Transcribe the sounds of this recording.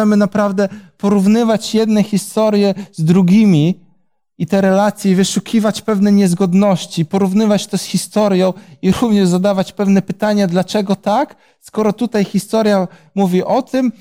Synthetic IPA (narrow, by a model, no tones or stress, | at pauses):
ɛmɘnapɾavd̪ɛpɔɾuvnɘvat͡ɕjɛd̪nɛxʲist̪ɔɾjɛzd̪ɾuɡʲimʲi | it̪ɛɾɛlat̪sʲjɛvɘʂukʲivat͡ɕpɛvnɛɲɛzɡɔd̪nɔɕt͡ɕipɔɾuvnɘvat͡ɕt̪ɔsxʲist̪ɔɾjɔ̃w̃iɾuvɲɛʐzad̪avat͡ɕpɛvnɛpɘt̪aɲad̪lat͡ʂɛɡɔt̪ak | skɔɾɔt̪ut̪ajxʲist̪ɔɾjamuvʲiʔɔt̪ɘm